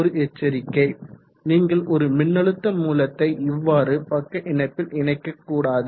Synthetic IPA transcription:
ɔɾɯʔɛt͡ʃːɐɾɪkːɐɪ | niːŋɡɐɭʔɔɾɯmɪnːɐɭɯt̪ːɐmuːlɐt̪ːɐɪʔɪʋːaːɾɯpɐkːɐʔɪɳɐɪpːɪlɪɳɐɪkːɐkːuːɽaːðɯ

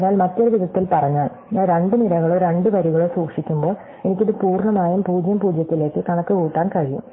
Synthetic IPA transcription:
ɲːaːlmɐt̪ːoɾɐʋiðɐt̪ːilpɐrɐɲːaːɭː | ɾe̞ɳɖɨnilɐɣɐɭoːɾe̞ɳɖɨʋɐɾuɣɐɭoːsuːkʂikʲːumbo̞ːɭ | e̞nikʲːiðɨpuːrɳɐmaːjumpuːd͡ʑjɐmpuːd͡ʑjɐt̪ːile̞ːkːɨkɐɳɐkːɨkuːʈːaːnkɐɻijṵm

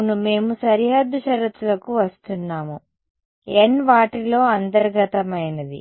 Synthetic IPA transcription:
nume̞ːmusɐɾiɦɐd̪ːɐʃɐɾɐt̪ːulɐkuʋɐst̪unːaːmu | enʋaːʈilo̞ːɐnt̪ɐɾɡɐt̪ɐmɐjnɐd̪ḭ

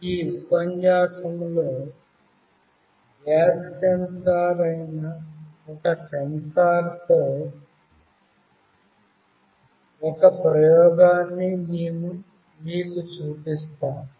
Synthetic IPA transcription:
iːupɐɲd͡ʒaːsɐmloː | ʋjaːstɐnsaːɾɐjnɐɔkɐkɐnsaːɾt̪oː | ɔkɐpɾɐjɔːɡaːnːiniːnu | miːkut͡ʃuːpist̪aːmu

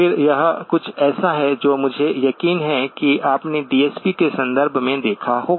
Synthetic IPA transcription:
ɪɾjɐɦkʊt͡ʃʰɛːsaɦɛd͡ʒoːmʊd͡ʒʱejɐkiːnɦɛkiaːpneɖiːɛːspikesɐ̃nd̪əɾbʱmẽd̪eːkʰaɦoːɡ

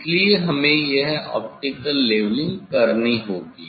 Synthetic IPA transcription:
slieɦɐmẽjeɦɛɔ̰ːp̚ʈɪkəlːeːʋlɪ̃ŋɡkɐɾniɦoːɡḭː

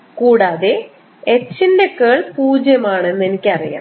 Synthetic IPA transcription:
kuːɽaːðe | et͡ɕːinde̞keːɭpuːd͡ʑjɐmaːɳenːenikʲːɐrija̰ːm

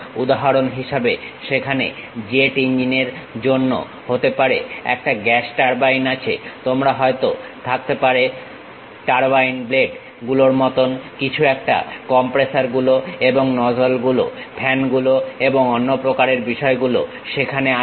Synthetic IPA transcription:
ud̪aɦaɾonɦiʃabeʃekʰanḛd͡ʑeʈind͡ʑineɾd͡ʑonːo̰ | hot̪epaɾeɛ̰k̚ʈaɡɛsʈaɾbajnat͡ɕʰḛt̪omɾaɦɔet̪ot̪ʰak̚t̪epaɾe | ʈaɾbajnbleɖ | ɡuloɾmɔt̪onkit͡ɕʰuɛk̚ʈa̰kɔmpɾesaɾɡuloeboŋnɔd͡ʑolɡulo̰pʰɛnɡuloeboŋonːopɾokaɾeɾbiʃɔeɡulo̰ | ʃekʰanea

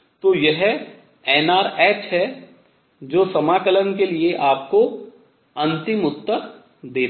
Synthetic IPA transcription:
t̪oːjɐɦ | ɛːnaːɾɛːt͡ʃɦɛ | d͡ʒoːsɐmaːkələnkelieʔaːp̚ko | ɐ̃nt̪ɪmʊt̪ːəɾ | d̪eː

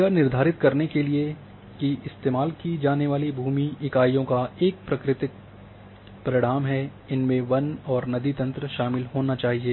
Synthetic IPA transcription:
anɪɾd̪ʱaːɾɪt̪kɐɾnekelie | kiɪst̪eːmaːlkid͡ʒaːneʋaːlibʱuːmiɪkaːijõkaeːk̚pɾɐkɾɪt̪ɪk̚ | pɐɾɪɽ̃aːmɦɛ | ɪnmẽʋɐnɔːɾnɐd̪it̪ɐ̃nt̪ɾəʃaːmɪlɦoːnat͡ʃaːɦieː

